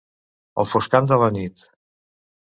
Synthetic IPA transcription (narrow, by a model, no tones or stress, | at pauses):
ə̰lˠfuskand̪ələnit̪